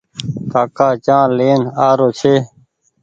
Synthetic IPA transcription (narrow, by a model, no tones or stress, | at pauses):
kaːkaːt͡ʃãːleːnaːɾoːt͡ɕʰeː